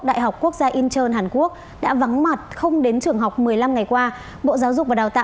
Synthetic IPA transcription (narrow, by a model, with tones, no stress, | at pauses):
ɗa̰ː˧˨jɦa˨˩wk͡p̚kːu˦˥ək̚zaː˧ʔi˧nt͡ɕəː˧nɦaː˨˩nku˦˥ək̚ | ɗa̰ː˧˥va˨˦ŋma˨˩t̚xə˧wŋ͡mɗe˨˦nt͡ɕɨ˨˩əŋɦa˨˩wk͡p̚mɨ˨˩əjla˧mŋa˨˩jkwaː˧ | ɓo̰˧˨zaː˨˦wzʊ˨˩k͡p̚vaː˨˩ɗaː˨˩wt̪a̰ː˧